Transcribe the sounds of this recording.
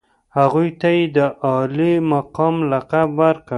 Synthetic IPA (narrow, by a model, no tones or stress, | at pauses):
haɣujt̪ajed̪əʔɑlimaqɑmlaqabwaɾka